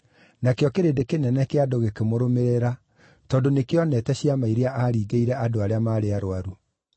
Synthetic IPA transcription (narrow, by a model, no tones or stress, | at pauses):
nakeɔkeɾendekenɛnɛkeadoɣekemoɾomeɾeɾa | tɔːndonekeɔnɛtɛɕiamaiɾeaʔaɾiːɡeiɾɛʔadoaɾeamaːɾeaɾoaɾu